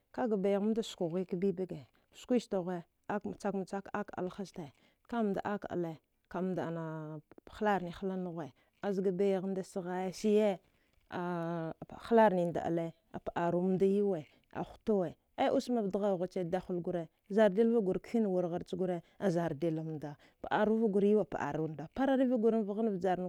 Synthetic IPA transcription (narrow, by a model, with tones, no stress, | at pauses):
ka˦ɡa˨ba˨ja˨ɣm˦da˦sku˨ɣʷi˦ka˦bi˦ba˦ɡe˨ | skʷi˦ʃta˨ɣʷe˦ | a˦kt͡sa˦kma˨t͡sa˦ka˦ka̰˨lxa˦sta˨ | ka˦m˨da̰˨ʔa˦ka̰˨le˦ | ka˨˦m˦da˨na˨xla˦ɾni˨xa˦la˦nu˦ɣʷe˨ | a˨zi˨˦ɡa˨be˦ja˨ɣda˦si˦ɣa˦ja˦si˦je˦ | a˨ | xla˦ɾni˨nda̰˨ʔa̰˨le˦ | a̰˨pa˨ʔa˨ɾu˦m˦da˦ji˦we˨ | a̰˨xu̥˦to˦we˨ | a˦ʔu˦sma˨vda˦ɣa˦˨ɣa˨t͡ʃe˦da˦xu˦˨lɡu˦ɾe˨za˨ɾde˦lva˦ɡu˨ɾkfi˦n˨wu˨ɾɣa˨ɾt͡ʃi˦ɡu˦ɾe˦a˨za˨ɾde˨la˨m˨da˨ | pa̰˨ʔa˨ɾu˦va˦ɡu˨ɾi˦wa˨pa̰˨ʔa̰˨ɾu˨˦˨da˨pa˦ɾa˦ɾi˦vi˦ɡu˨ɾa˦n˦va˦ɣa˦na˦vd͡ʒa˨ɾn˦